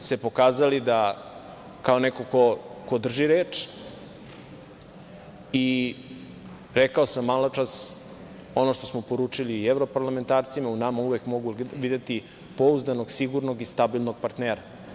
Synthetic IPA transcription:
se̞po̞kaːzalid̪a | kaoneko̞koko̞d̪r̩ʒiɾeːt͡ʃ | i | ɾekaosamːalˠat͡ʃas | o̞no̞ʃt̪osmopo̞ɾuːt͡ʂiliːevɾo̞paɾlame̞nt̪aːɾt̪simaunamauʋekmo̞ɡuʋid̪et̪i | pouzd̪ano̞ɡsiɡuɾno̞ɡist̪abilˠno̞ɡ̚paɾt̪neːɾa

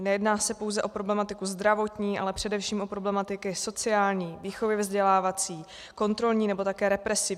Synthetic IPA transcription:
nɛjɛdnaːsɛpo̞wzɛʔo̞pɾo̞blɛmat̪ɪkuzd̪ɾavo̞t̪ɲiːʔa̰lɛpr̥ɛdɛfʃiːmo̞pɾo̞blɛmat̪ɪkɪso̞t͡sɪaːlɲiːviːxo̞vjɛvzɟɛlaːvat͡siː | ko̞nt̪ɾo̞lɲiːnɛbo̞t̪akɛːɾɛpɾɛsɪv

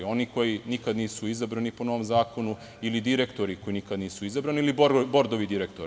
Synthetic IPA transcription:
o̞niko̞jinikad̪niːsuizabɾanipo̞no̞ʋo̞mzaːkʰo̞nu | ilid̪iɾekt̪o̞ɾikojinikad̪niːsuizabɾaniilibo̞ɾd̪oʋid̪iɾekt̪oɾ

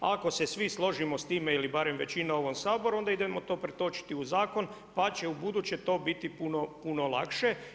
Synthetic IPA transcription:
ako̞sesʋislˠo̞ʒimo̞st̪iːmeilibaɾemʋe̞t͡ɕinao̞ʋomsaːbo̞ɾuo̞nd̪aid̪emo̞t̪o̞ːpɾet̪o̞ːt͡ʃi̥t̪iuzaːkon | pat͡ɕe̞ubud̪uːt͡ɕe̞t̪o̞ːbit̪ipunopuno̞lˠa̰kʃe

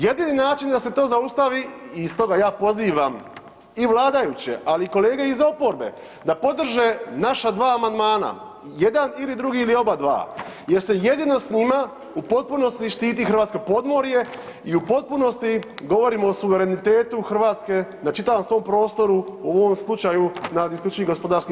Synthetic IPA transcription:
je̞d̪iːninaːt͡ʃind̪ase̞t̪o̞ːzaust̪aʋiːst̪o̞ɡajaːpo̞ziːʋam | iʋlˠaːd̪ajut͡ɕḛʔaliːko̞le̞ːɡeizo̞po̞ɾbe̞̰ | d̪apo̞d̪r̩ʒe̞naʃad̪ʋaːmand̪maːna̰ | je̞d̪anilid̪ɾuɡiːlio̞bad̪ʋa̰ː | je̞ɾse̞je̞d̪ino̞sɲima | upo̞t̪̚puno̞st̪iʃt̪iːt̪ixɾr̩ʋaːt̪sko̞po̞d̪mo̞ɾje̞ | iupo̞t̪̚puno̞st̪iɡo̞ʋo̞ɾimoːsuʋe̞ɾe̞nit̪e̞ːt̪uxr̩ʋaːt̪ske̞nat͡ʃit̪aʋamsʋo̞ːmpɾo̞ːst̪o̞ɾuuoʋomslˠut͡ʃajunaisklʲut͡ʃeniɡo̞spo̞d̪aɾski

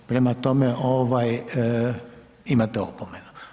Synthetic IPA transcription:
pɾemat̪omeʔoʋaj | imat̪eopomenu̥

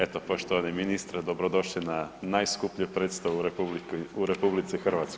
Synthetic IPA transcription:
et̪opo̞ʃt̪oʋaniminist̪ɾad̪obɾod̪o̞ʃlinanajskupʎopɾeːt̪st̪aʋuɾepuluɾepublit̪sixr̩ʋat̪sk

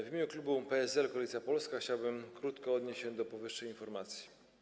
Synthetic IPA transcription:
vʲimʲeɲuklubupɛɛzɛlkɔalʲit̪sʲjapɔlskaxt͡ɕawbɘmkɾut̪kɔɔd̪ɲeɕt͡ɕːɕɛ̃d̪ɔpɔvɘʂːɛjinfɔɾmat̪sʲji̥

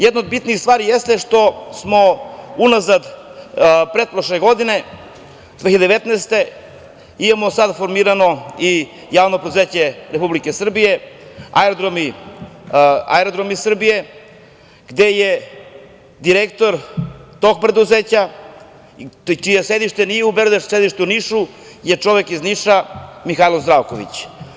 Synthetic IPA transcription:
jɛd̪nod̪̚bit̪nist̪vaːɾijɛst̪ɛʃt̪osmounazad̪ | pɾet̪̚pɾoʃlɛɡod̪inɛ | d̪veçiad̪eʋɛt̪nɛɛst̪ɛ | imamosad̪foɾmiɾanoi | javnopɾed̪uzecɛɾepublikɛsr̩bijɛaɛɾod̪ɾomi | a̰eɾod̪ɾomisr̩bije̞ | ɡ̥d̪e̞je | d̪iɾekt̪o̞ɾt̪oɡ̚pɾe̞d̪uzeːt͡ɕa | t͡ʃijesed̪iʃt̪e̞nijeubeɾod̪esed̪iʃt̪uniʃu | jet͡ʂo̞ʋe̞kizniʃamixalozd̪ɾaʋkoʋḭt͡ɕ

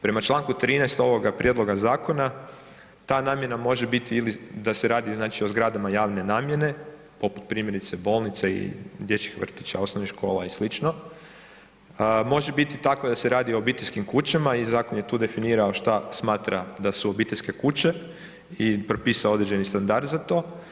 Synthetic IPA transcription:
pɾe̞mat͡ʃlˠaːŋkut̪ɾiːnɛjst̪o̞ʋo̞ɡapɾje̞d̪lo̞ɡazaːko̞na | t̪aːnaːmje̞namo̞ʒe̞bit̪iilid̪aseɾaːd̪iznaːt͡ʃio̞zɡɾad̪amajaːʋne̞naːmje̞ne̞ | po̞pu̥t̪pɾiːmje̞ɾit̪sebo̞ːlˠnit̪seḭd̪je̞t͡ɕi̥xʋr̩t̪i̥t͡ʃaosnoʋnixʃko̞ːlaislit͡ʃno̞ | mo̞ʒe̞bit̪it̪ako̞d̪ase̞ɾaːd̪io̞obit̪eʎʲskimkut͡ɕamaizaːkonjet̪uːd̪e̞finiːɾao̞ʃt̪asmaːt̪ɾad̪asuobit̪e̞ʎʲske̞kut͡ɕe̞ | ipɾo̞piːsao̞d̪ɾed͡ʑe̞nist̪and̪aɾd̪zat̪o̞ː

